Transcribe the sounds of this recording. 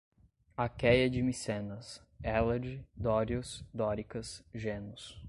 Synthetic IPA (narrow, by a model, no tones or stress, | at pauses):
akɛjɐd͡ʒɪmisẽnɐs | ɛlɐd͡ʒɪd̪ɔɾjʊsd̪ɔɾikɐsʒẽnʊs